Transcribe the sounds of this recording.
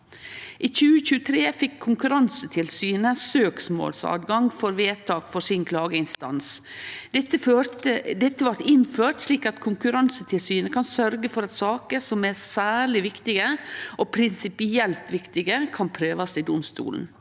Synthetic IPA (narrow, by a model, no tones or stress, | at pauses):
ʔiːçʉːəçʉːət̪ʰɾeːfɪkʰːʊŋkʉɾɑnsət̪ʰɪlsyːnəsøːksmo̰ːlsɑ̰ːd̪ɡɑŋfɔɾʋeːt̪ʰɑːkfɔsɪnkʰlɑːɡəɪnst̪ɑ̰ns | d̪ɛt̪ːəføtəd̪ɛt̪ːəʋɑɾt̪ɪnføːʈ̪ʂliːkɑt̪kʰʊŋkʉɾɑnsət̪ʰɪlsyːnəkʰɑnsœɾɡəfɔɾɑt̪sɑːkəsɔmæɾsæːɭɪʋɪkt̪ɪɡəʔɔpʰɾɪnsɪpɪɛlt̪ʋɪkt̪ɪɡəkʰɑnpʰɾøːʋɑsɪd̪ʊmst̪ṵːln̩